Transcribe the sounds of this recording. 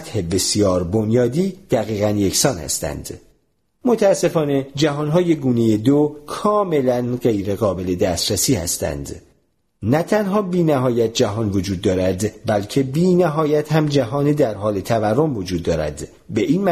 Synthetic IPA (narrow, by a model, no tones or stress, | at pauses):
t̪he̞be̞sijɒːɾbo̞njɒːd̪iːd̪̥æɣiːɣænje̞cʰsɒːnhæ̰st̪æ̰nd̪̥ | mo̞t̪ʰæːsːe̞fɒːne̞d͡ʒæɦɒːnɦɒːje̞ɡuːneje̞d̪okʰɒːme̞lænɢe̞jɾe̞ɣɒːbe̞le̞d̪æst̪ɾæsiːhæ̰st̪æ̰nd̪ | næt̪ʰænɦɒːbiːnæɦɒːjæt̪̚d͡ʒæɦɒːnvo̞d͡ʒuːd̪̚ːɒːɾæd̪bælcʰe̞biːnæɦɒːjæt̪ʰhæmd͡ʒæɦɒːned̪æɾɦɒːle̞t̪ʰæværːo̞mvod͡ʒuːd̪ːɒːɾæ̰d̪̥ | be̞ʔiːnm